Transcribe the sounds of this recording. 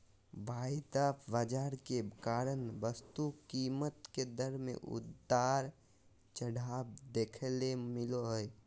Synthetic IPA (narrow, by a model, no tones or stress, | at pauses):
bʱaːid̪aːpʰbad͡ʒaːɾkekaːɾənbəst̪ukiːmət̪ked̪əɾmḛ̃ʔʊ̰dd̪aːɾ | t͡ʃəɽaːb̚d̪eːkʰelemɪloɦəj